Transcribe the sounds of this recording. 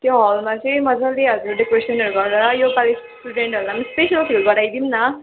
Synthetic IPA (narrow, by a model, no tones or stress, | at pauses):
t̪joɦʌlmat͡sʌĩmʌd͡zaleɦʌd͡zuɾɖikɾesʌnʌɾuɡʌrɾʌʌjokalessʈuɖeɳʈʌɾulamʌspesiʌlpʰilɡʌɾajd̪imnʌ